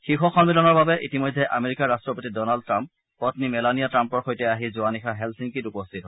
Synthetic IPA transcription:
xixɔxɔnmilɔnɔɹbabɛʔḭtimɔjdʱːɛʔa̰meɹikaɹastɹɔpotidɔnald̚tɹamp | pɔtnimɛlanijatɹampɔɹxojtɛaɦizʊanixaɦɛlsiŋkitupɔstʰitɦɔ

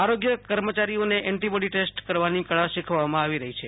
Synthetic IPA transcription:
aɾoɡjəkəɾmət͡ʃaɾijoneʔɛɳʈibəɽiʈesʈkəɾʋanikəɭaʃikʰʋamãaʋiɾəɦit͡ʃʰe

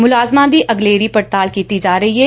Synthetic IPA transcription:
mʊlaːzmãd̪iʔɐɡleːɾipɐɽt̪aːlkiːt̪id͡ʒaːɾɐɦie

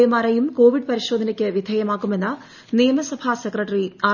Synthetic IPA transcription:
jɐmaːɾɐjumko̞ːʋiɖpɐɾiɕo̞ːd̪ʱɐnɐkʲːɨʋid̪ʱɐjɐmaːkːume̞nːɐ | nijɐmɐsɐbʱasekrɐʈːɐriaː

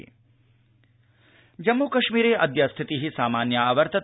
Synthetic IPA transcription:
d͡ʒɐmːuːkɐʃmiːɾeːʔɐd̪jast̪ʰit̪iɦisaːmaːnjɐaʋɐɾt̪ɐ

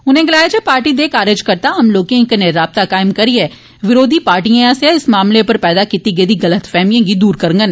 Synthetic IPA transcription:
ʊnẽɡɪlaːed͡ʒepaːɾʈid̪ekaːɾed͡ʒkɐɾt̪aɦɐmloːkẽkneɾaːb̚t̪akaːɪmkɐɾiɦɛː | ʋɪɾoːd̪ʱipaːɾʈijãseɪsmaːmlepɐɾpɛːd̪akiːt̪iɡeːd̪iɡɐlət̪fɛːmijẽɡid̪uːɾkɐɾ̃ŋɡən

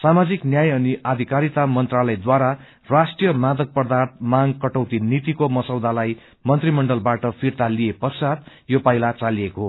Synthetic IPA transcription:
samad͡ziknjajʌniad̪ʱikaɾit̪amʌnt̪ralʌjd̪waɾa | rasʈijʌmad̪ʌk̚pʌrd̪art̪̚maŋkʌʈʌwt̪init̪ikomʌsʌwd̪ʱalaj | mʌnt̪rimʌɳɖʌlbaʈʌpʰirt̪aliepʌrsat̪ | jopajlat͡salijekoɦo

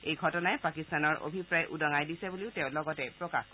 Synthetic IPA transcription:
ejɡʱɔtɔnaɛpakistanɔɹʔo̰bʱipɹajʔudɔŋajdisɛbuliʊtɛʊ̃lɔɡɔtɛpɹɔka̰x

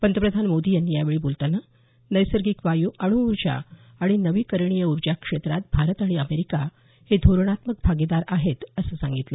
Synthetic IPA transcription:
pənd̪əpɾəd̪ʱanmod̪iːjanːijaʋeɭiːbolt̪anə | nəjsəɾɡiːkʋajuʔəɽ̃uuɾd͡ʑa̰ | aɽ̃inəʋiːkəɾɳijəuɾd͡ʑakʂet̪ɾat̪̚bʱaɾət̪aɽ̃iəmeɾika | hed̪ʱoɾɳ̃at̪mək̚bʱaɡid̪aɾaɦet̪əsəːsãŋɡit̪lə

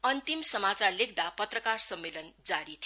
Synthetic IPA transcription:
ʌnt̪imsʌmat͡sarlek̚d̪apʌt̪rʌkarsʌmːelʌnd͡zaɾit̪ʰi

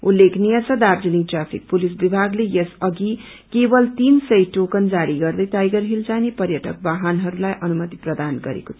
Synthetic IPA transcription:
ulːekʰnijʌt͡sʰʌd̪abd͡ziniʈrapʰḭk̚pulisbibʱaɡlejesʌɡi | kebʌlt̪insʌjʈokʌnd͡zaɾiɡʌrd̪ʌjtajɡʌrɦilt͡sanepʌrjʌʈʌk̚baɦanɦʌɾulajʔʌnumʌt̪i̥prʌd̪anɡʌɾḛkot̪ʰ

